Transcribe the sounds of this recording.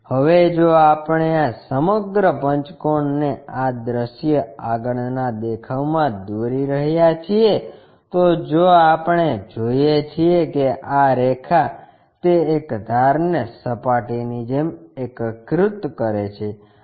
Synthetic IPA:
həʋed͡ʒoapəɳ̃easəməɡɾəpəɲt͡ʃkonːead̪ɾəʃjəaɡəɳnad̪ekʰaʋmãd̪ouɾiɾəɦjat͡ʃʰie | t̪od͡ʒoapɳ̃ed͡ʒojet͡ʃʰiekeʔaɾekʰa | t̪eːkd̪ʱaɾnəsəpaʈinid͡ʒemekkɾʊt̪kəɾet͡ʃʰe

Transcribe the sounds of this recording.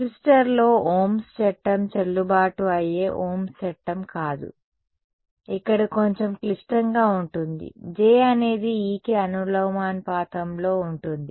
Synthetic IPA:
klisʈɐɾlo̞ːoːmst͡ʃɛʈːɐmt͡ʃɐlːubaːʈuɐje̞ːʔoːmst͡ʃɛʈːɐmkaːd̪ṵ | ikːɐɽiko̞ɲt͡ʃemklisʈɐŋɡaːuɳʈund̪ḭd͡ʒeːɐne̞ːd̪iiːkeɐnulɐwmaːnpaːt̪ɐmlo̞ːuɳʈund̪i

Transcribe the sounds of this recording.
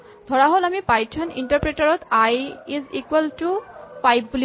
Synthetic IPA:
d̪ʱɔɹaɦolamipajtʰɔnḭɳʈaɾpɹeʈaɹɔt̪ajizikwalʈupajbpuli

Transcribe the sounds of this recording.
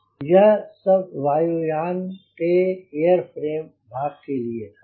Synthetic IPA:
jɐɦsɐbʋaːjujaːnkeeːəɾpʰɾeːm | bʱaːɡ̚kelie

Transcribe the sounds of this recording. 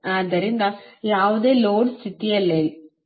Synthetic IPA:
ãːd̪ɐɾind̪ãjaːʋɐðeːloːɖsɪt̪ːijɐlːɛ

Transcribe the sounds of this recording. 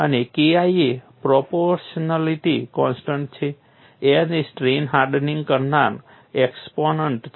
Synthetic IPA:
ənekiaiepɾopoɾʃnaliʈikɔ̃nsʈəɳʈ̚t͡ʃʰe | enesʈɾenɦaɾɖnĩŋɡkəɾnaɾ | eksponəɳʈ

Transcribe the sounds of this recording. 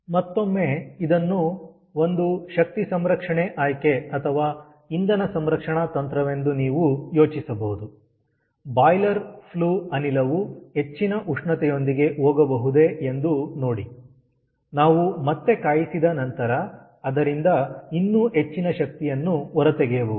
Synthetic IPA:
mɐt̪ːo̞mːe̞id̪ɐnːu | o̞nd̪uʃɐk̚t̪isɐmɾɐkʂɐɳeʔaːjkeɐt̪ʰɐʋaː | ind̪ɐnɐsɐmɾɐkʂɐɳɐt̪ɐnt̪ɾɐʋe̞nd̪uniːʋujo̞ːt͡ʃisɐbɐɦud̪u | baːjlɐɾpʰluːɐnilɐʋuɦe̞t͡ʃːinɐʔuʂɳɐt̪ɛjo̞nd̪iɡe̞ʔɦoːɡɐbɐɦud̪e̞end̪uno̞ːɽi | naːʋumɐt̪ːe̞kaːjisid̪ɐnɐnt̪ɐɾɐː | d̪ɐɾind̪ɐinːuɦe̞t͡ʃːinɐʃɐk̚t̪ijɐnːuɔɾɐt̪eɡeːʋu

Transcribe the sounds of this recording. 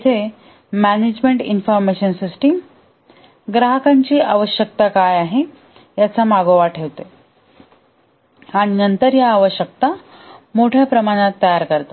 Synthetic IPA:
it̪ʰe | mæned͡ʑmeɳʈinfɔɾmeɕənsisʈim | ɡɾaɦəkaɲt͡ɕiːʔaʋəɕjək̚t̪akajaɦe | jat͡samaɡoʋaʈʰeʋt̪e | aɽ̃inənt̪əɾjaːʋəɕjək̚t̪amoʈʰjapɾəmaɽ̃at̪ːəjaɾkəɾt̪a

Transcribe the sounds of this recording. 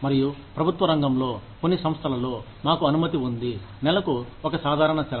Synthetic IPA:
mɐɾijupɾɐbʱut̪ʋɐɾɐŋɡɐmlo̞ːkonːisɐ̃mst̪ʰɐlɐlo̞ː | maːkuɐnumɐt̪iund̪i | nɛlɐkuɔkɐsaːd̪ʱaːɾɐɳɐt͡ʃɛ

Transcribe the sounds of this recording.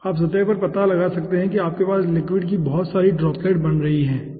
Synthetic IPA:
aːpsɐt̪ɛːpɐɾpɐt̪alɐɡasɐk̚t̪eɦɛ̃kiaːp̚kepaːslɪkwɪɖk̬ibɔɦɔt̪saːɾiɖɾɔːpleːʈbɐnɾɐɦiɦɛ̃ː

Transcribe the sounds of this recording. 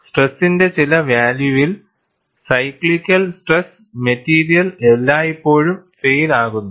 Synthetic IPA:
sʈresːinde̞t͡ɕilɐʋjaːljuʋil | sɐjklikʲːɐlsʈres | metːiːɾijɐlelːaːjipːo̞ːɻumfejlaːɣunːu

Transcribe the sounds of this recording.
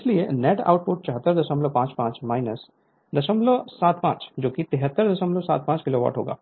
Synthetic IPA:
ɪslienɛːʈa̰ːʊʈ̚pʊʈ̚t͡ʃɐɦət̪ːəɾd̪ɐʃə̃mblopãːt͡ʃpãːt͡ʃmaːɪnəs | d̪ɐʃə̃mlosaːt̪pãːt͡ʃd͡ʒoːkit̪ɪɦət̪ːəɾd̪ɐʃə̃mlosa̰ːt̪̚pãːt͡ʃkɪloːʋa̰ːʈɦo̰ːɡa̰ː

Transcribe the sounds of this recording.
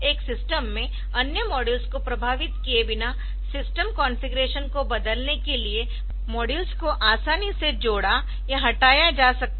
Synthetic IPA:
eːksɪsʈəmːẽ | ɐnjəmɔːɖɪlskopɾɐbʱaːʋɪt̪kiebɪna | sɪsʈəmkɔ̃ːnfɪɡɾeːʃənkobɐd̪əlnekelie | mɔːɖɪlskoʔaːsaːnised͡ʒoːɽa | jaɦɐʈaːjad͡ʒaːsɐk̚t̪

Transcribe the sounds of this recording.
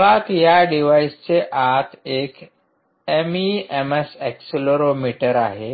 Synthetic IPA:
ʋak̪jaɖiʋaist͡seʔat̪ʰek | emiemesɛksloɾomiʈəɾaɦe

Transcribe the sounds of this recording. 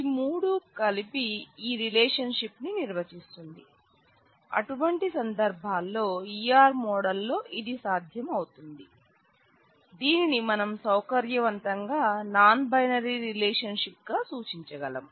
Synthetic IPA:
imuːɽukɐlipiiːɾilɛːʂɐnʂipniniɾʋɐt͡ʃist̪und̪i | ɐ̰ʈuʋɐɳʈisɐnd̪ɐɾbʱaːlːo̞ːiːaːɾmɔːɽɐlːo̞ːʔid̪isaːd̪ʱjɐmɐwut̪und̪i | d̪iːninimɐnɐmsɐwkɐɾjɐʋɐnt̪ɐŋɡaːnaːnbɐjnɐɾiɾilɛːʂɐnʂip̚ɡaːsuːt͡ʃiɲt͡ʃɐɡɐlɐm

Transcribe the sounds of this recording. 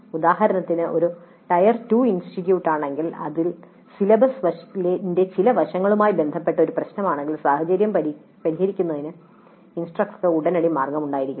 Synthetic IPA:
ud̪aːhɐɾɐnɐt̪ːinɨo̞ɾu | ʈɐjɐrtuːinsʈitjuːʈːaːɳe̞ŋɡilɐ̰ðil | silɐbɐsʋɐlende̞t͡ɕilɐʋɐʂɐŋːɐɭumaːjibe̞nd̪ʱɐpːe̞ʈːɐo̞ɾuprɐɕnɐmaːɳe̞ŋɡilsaːhɐd͡ʑɐɾjɐm | pɐɾiɦɐɾikʲːunːɐðinɨ | insʈrɐk̚ʈkːɨuɽɐnɐɽimaːrɡɐmuɳɖaːjiɾikʲː

